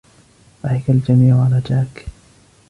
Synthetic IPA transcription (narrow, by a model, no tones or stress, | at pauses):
ʔaħɪkald͡ʒamiːʕʊʕalaːd͡ʒaːk